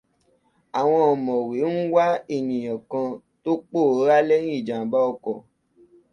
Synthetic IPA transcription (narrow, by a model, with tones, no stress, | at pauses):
a˨w̃ɔ̃˧ɔ˨mɔ̃˨we˨˦n̩˦wa˦e˦˨nĩ˨j̃ɔ̃˨kã˧ | to˦k͡po˦˨˦ɾa˦lɛ̃˦ĩ˦i˨d͡ʒã˨ba˦ɔ˧kɔ˨